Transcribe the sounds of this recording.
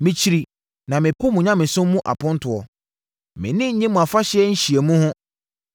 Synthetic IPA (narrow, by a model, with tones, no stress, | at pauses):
mɪ̃˨t͡ɕʰi˦ɾi˨ | nã˨mɪ̃˨pʰʊ˦mũ˨ɲã˦mɪ̃˨sʊ̃˦mː˦ũ˦ʔa̰˨pʰʊ̃˦n˦tʰʊ˨ɔ˨ | mɪ̃˨nɪ̃˦ɲ̩˦ɲɪ̃˦mũ˨a˨fa˦ɕɪ˦ɛ˦ɲ̩˦ɕi˨e˨mũ˦hʊ̃˦